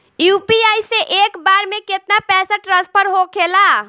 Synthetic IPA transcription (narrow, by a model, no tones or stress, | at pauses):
jupiajseʔekbaɾmeket̪napɛsaʈɾəs̚pəɾɦokʰela